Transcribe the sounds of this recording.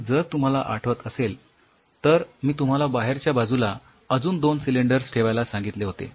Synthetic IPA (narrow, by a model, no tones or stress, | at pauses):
d͡zəɾt̪um̤alaʔa̰ʈʰʋət̪əsel | t̪əɾmiːt̪um̤alabaɦeɾt͡ɕjabad͡zula | əd͡zuːnd̪onsileɳɖəɾsʈʰeʋajlasãŋɡit̪leɦot̪ḛ